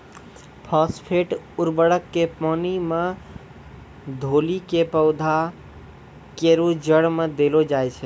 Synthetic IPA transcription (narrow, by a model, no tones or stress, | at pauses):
pʰɔspʰeʈ | uɾbəɽəkːepɔnime | d̪ʱolikepəʊd̪ʱa | keɾud͡ʒəɽmed̪elod͡ʒajt͡ʃʰɛ